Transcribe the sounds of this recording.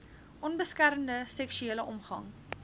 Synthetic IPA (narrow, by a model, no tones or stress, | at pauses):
ʔɔnbəskæɾəndəsɛkʃyeːləʔɔmχɐ̰ŋ